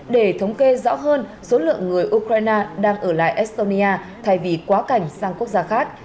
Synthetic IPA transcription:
ɗe˧˩t̪ʰə˨˦wŋ͡mke˧zɔ̰˧˥ɦəː˧nso˨˦lɨ̰˧˨əŋːɨ˨˩əjʔu˧kɾaː˧jnaː˧ɗaː˧ŋʔəː˧˩la̰ː˧˨jʔɛ˦˥st̪o˧ni˧ʔaː˧ | t̪ʰa˧˩jvi˨˩kwaː˨˦ka˧˩jŋ̟saː˧ŋku˦˥ək̚zaː˧xaː˦˥k̚

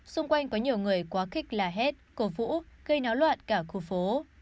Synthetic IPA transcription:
sʊ˧ŋ͡mkwa˧jŋ̟kɔ˨˦ɲi˨˩əwŋɨ˨˩əjkwaː˨˦xï˦˥k̟̚laː˨˩ɦɛ˦˥t̚ko˨˩vṵ˧˥ɣə˧jnaː˨˦wlwa̰ː˧˨nkaː˧˩xu˧˩fo˨˦

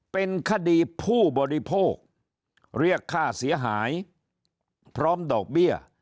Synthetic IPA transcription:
pe˧nkʰa˧˩diː˧pʰuː˥˩bɔː˧ɾi˦pʰoː˥˩k̚ | ɾi˥˩əkʰːaː˥˩si˩˦ɐɦaː˩˦j | pʰɾɔː˦˥mdɔː˨˩k̚bi˥˩ə

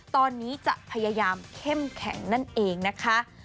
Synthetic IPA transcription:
t̪ɔː˧nːiː˦˥t͡ɕa̰˨˩ʔpʰa˧jaː˧jaː˧mkʰe˥˩mkʰɛ̰˩˦ŋna˥˩nʔeː˧ŋna˦˥kʰa˦˥

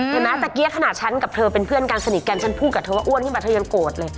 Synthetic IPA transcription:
a˨˧˩naː˦˥t̪aː˨˩ki˦˥ə˦kʰa˧naː˨˩t̪̚t͡ɕʰa˦˥nka˨˩p̚t̪ʰɤː˧pe˧npʰɯ˥˩ənkaː˧nsa˧ni˨˩t̪̚ka˧nt͡ɕʰa˦˥npʰu˥˩ka˨˩t̪ʰːwaː˥˩ʔu˥˩ənkʰɯ˥˨pa˧˩t̪ʰɤ˧ja˧ŋkoː˨˩t̪̚lɤː˧j

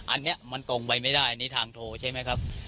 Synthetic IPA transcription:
ʔa˧nːi˦˥ɐma˧nt̪o˧ŋpa˧jma˥˩jdaː˥˩jniː˦˥t̪ʰaː˧ŋt̪ʰoː˧t͡ɕʰa˥˩jma˦˥jkʰa˦˥p̚

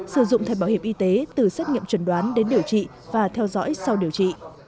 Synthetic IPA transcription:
sɨ˧˩zʊ̰˧˨ŋ͡mt̪ʰa˨˩jɓa˧˩whi˧˩əmʔi˧t̪e˨˦t̪ɨ˨˩sɛː˦˥t̚ŋḭ˧˨əmt͡ɕwə˧˩nɗwaː˨˦nɗe˨˦nɗi˨˩əwt͡ɕḭ˧˨ | vaː˨˩t̪ʰɛ˧wzɔ̰˧˥jsa˧wɗi˨˩əwt͡ɕḭ˧˨

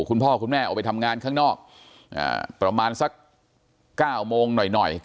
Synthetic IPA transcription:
kʰu˧npʰɔː˥˩kʰu˧nmɛː˥˩ʔwpa˧jt̪ʰa˧mŋaː˧nkʰaː˥˩ŋnɔː˥˩k̚ | ʔa̰ː˧˩pɾa˧maː˧nsa˦˥kː | aː˥˩wmoː˧ŋnɔ˨˩jnɔ˨˩j

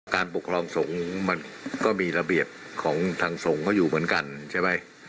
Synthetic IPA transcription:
kaː˧npo˨˩kʰɾɔː˧ŋso˩˦ŋma˧nkɔː˥˩miː˧ɾa˧bi˨˩əp̚kʰɔː˩˦ŋt̪ʰaː˧ŋso˩˦ŋkʰɔː˥˩juː˨˩mɯ˩˦ənka˧nt͡ɕʰa˥˩jma˦˥j

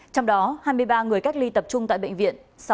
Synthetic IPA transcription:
t͡ɕɔ˧wŋ͡mɗɔ˨˦haː˧jmɨ˧əjɓaː˧ŋɨ˨˩əjka˦˥k̚li˧t̪ə˨˩p̚t͡ɕʊ˧ŋ͡mt̪a̰ː˧˨ɓ̰ŋ̟vḭ˧˨əns

